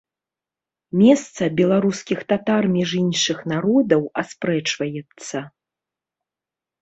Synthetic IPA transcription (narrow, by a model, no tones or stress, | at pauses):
mʲɛst̪sɐbʲɛlˠaɾuskʲixt̪at̪armʲɛʐinʂɨxnaɾɔd̪ɐwaspɾɛt͡ʂvɐjɛt̪sːɐ